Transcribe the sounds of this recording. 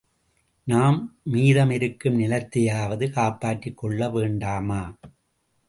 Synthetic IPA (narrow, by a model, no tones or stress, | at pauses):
naːmmiːðɐmɪɾɯkːɯmnɪlɐt̪ːɪjaːʋɐðɯkaːpːaːʈrɪkːɔɭːɐʋeːɳɖaːmaː